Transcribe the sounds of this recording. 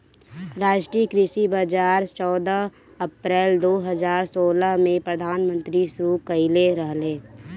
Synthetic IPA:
ɾaːd͡ʒʈɾiːəkɾɪʃibad͡ʒaːɾt͡ʃɔːd̪əɦ | əpɾɛːld̪oːɦəzaːɾsoːləɦmẽpɾəd̪ʱaːnmə̃nt̪ɾisɾukəɪleɾəɦleː

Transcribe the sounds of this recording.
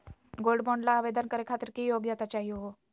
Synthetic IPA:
ɡolɖbɔɳɖlaːʋed̪ənkəɾekʰat̪əɾkijoɡjat̪at͡ɕaɦioɦo

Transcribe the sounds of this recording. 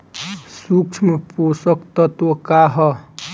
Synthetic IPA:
sukt͡ʃʰmpusɔkt̪ɔt̪okaɦɔ

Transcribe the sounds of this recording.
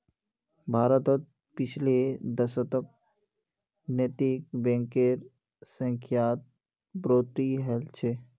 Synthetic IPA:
bʱaːɾət̪ɔt̪̚ | pɪt͡ʃʰled̪əsət̪ək̚ | net̪ikbẽŋkeɾ | sə̃ŋkʰjaːt̪̚ | bɾoːt̪iɦɛlt͡ʃʰe

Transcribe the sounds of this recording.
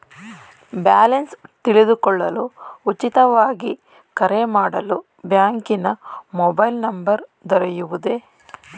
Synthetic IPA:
baːlɐnst̪iɭid̪ukɔɭːɐluut͡ʃːit̪ɐʋaːɡi | kɐɾemaːɽɐlu | bjaːŋkinɐmɔbɐjlnɐmbɐɾd̪ɔɾɐjuʋud̪e̞

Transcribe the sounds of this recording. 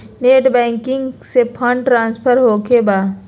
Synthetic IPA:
neːʈbɛ̃ːŋkɪ̃ŋɡsepʰə̃ɳɖʈɾãːnspʰəɾɦoːkebaː

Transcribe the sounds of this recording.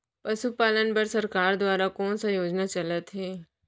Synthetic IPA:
pɐʃupaːlənpəɾsɐɾkaːɾd̪ʋaːɾakoːnsãjoːd͡ʒnat͡ʃɐlət̪ɦeː

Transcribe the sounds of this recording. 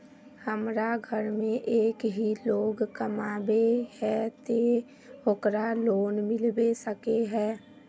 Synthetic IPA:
həmɾaɡʱəɾmẽʔeːkɦiloːɡkəmaːbehɛt̪e | okɾaloːnmɪlbesəkeɦɛː

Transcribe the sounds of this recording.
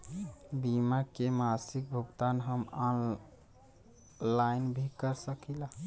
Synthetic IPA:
bimakemasik̚bʱuɡt̪anɦəmɔn | lajnbʱikəɾsəkila

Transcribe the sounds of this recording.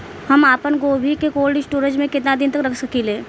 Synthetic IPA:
hɐmaːpənɡoːbʱikekoːlɖɪsʈoːɾə̃t͡ʃmẽkɪt̪nad̪ɪnt̪ɐkɾɐkʰsɐkileː

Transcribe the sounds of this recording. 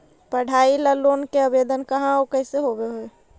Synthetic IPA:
pəɽ̤ʱaːiləloːnkeəbeːd̪ənkɐɦãokəɪseɦoɡeɦoe

